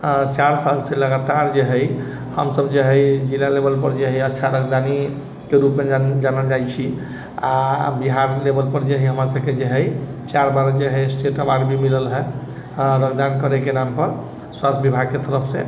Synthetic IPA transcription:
t͡ʃaɾsalseləɡat̪aɾd͡ʒeɦəj | həmsəbd͡ʒeɦəjd͡ʒilalebəlpəɾd͡ʒeɦəjətːʃʰaɾəkd̪ani | keɾupmed͡ʒanəld͡ʒajt͡ʃʰi | abiɦaɾlebʱəlpəɾd͡ʒeɦəjɦəmɾasəbked͡ʒeɦəjt͡ʃaɾbaɾd͡ʒeɦəjsʈeʈəbaɖbʱimiləlɦɛ | ɾəkd̪ankəɾekenampəɾ | swast̪bibʱaɡ̚ket̪əɾəpʰsẽ

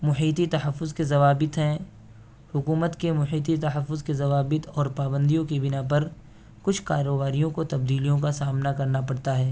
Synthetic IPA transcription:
mʊħiːt̪it̪ɐɦəfːʊzkezɐʋaːbɪt̪ɦɛ̃ | hʊkuːmət̪kemʊħiːt̪̬it̪ɐɦəfːʊzkezɐʋaːbɪt̪ɔːɾpaːbə̃nd̪ijõkibɪnapɐɾ | kʊt͡ʃʰkaːɾobaːɾijõkot̪ɐbd̪iːlijõkasaːmnakɐɾnapɐɽt̪aɦɛː

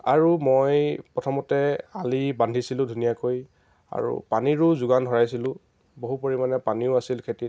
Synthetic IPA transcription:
aɹumojpɹɔtʰɔmɔtɛalibandʱisilʊ̃dʱunijakoj | a̰ɹṵpaniɹʊzʊɡandʱɔɹajsilʊ̃ | boɦupoɹimanɛpaniʊasilkʰeti

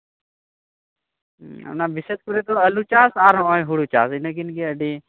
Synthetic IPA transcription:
ɐ̰pnaːbiset̪̚kuɾet̪oɐlut͡ʃaːsaːɾõõɦuɽut͡ʃa̰ːsinɐk̬inkiəɖi

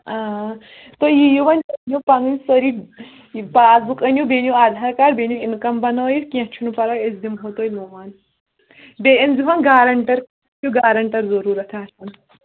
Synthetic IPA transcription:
a | t̪ojijuʋɐnʲpɐnjupɐŋinʲsəɾi | paːzukɐnʲjubeːnʲjuaːd̪ʱaːɾkaːɾbenʲuinkɐmbɐnoːjikʲẽt͡ʃʰunupɐɾaːesd̪imɦot̪oːjmoːʋɐn | beɐnzuɦɐnɡaːɾɐɳʈɐɾk | t͡ʃʰuɡaːɾɐɳʈɐɾzɐɾuːɾɐt̪ʰaːsʰɐn

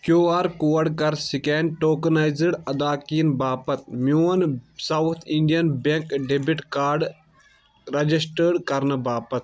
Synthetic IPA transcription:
kjoːaːɾkuːʋɐɽkɐɾsikeːnʈoːkɐnaːjzəɽɐd̪aːkiːnbaːpɐt̪̚mjoːnsɐwt̪ʰiɳɖijɐnbeŋkɖebiʈkaːɾɖ | ɾɐd͡ʒisʈəɖkɐɾnɨbaːpɐt̪̚

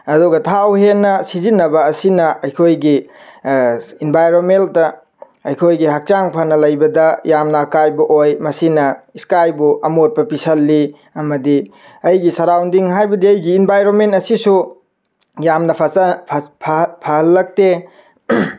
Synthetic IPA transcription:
ɐduɡɐtʰawhenːɐsizinːɐbɐːsinɐɐjkʰojɡi | inbʱajɾomenttɐ | ɐjkʰojɡiɦak̚t͡ʃaŋpʰanɐlɐjbɐdɐjamnɐːkajbɐʔojmɐsinɐiskajbuʔɐmot̚pɐpisɐlːi | ɐmɐdi | ɐjɡisɐɾawndiŋɦajbɐdiɐjɡiːnbʱajɾonmentɐsisu | jamnɐpʰɐ | pʰpʰɐhɐlːɐk̚te

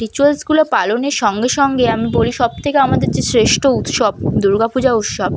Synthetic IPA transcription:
ɾit͡ɕualskulepaloneɾʃɔŋɡeʃɔŋɡeamiboliʃɔb̚t̪ʰekeamad̪eɾd͡ʑesɾeʃʈout̪ʃɔb̚d̪uɾɡapud͡ʑaut̪ʃɔb

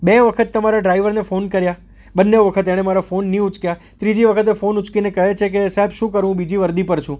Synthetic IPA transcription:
beʋəkʰət̪ːəmaɾaɖɾaiʋəɾnefonkəɾja | bənːeʋəkʰət̪eɽ̃emaɾafonːiut͡ʃkja | t̪ɾid͡ʒiʋəkʰət̪̬efonut͡ʃkinekəɦet͡ʃʰek̬esaɦebʃũkəɾʋũbid͡ʒiʋəɾd̪ipəɾt͡ʃʰũ

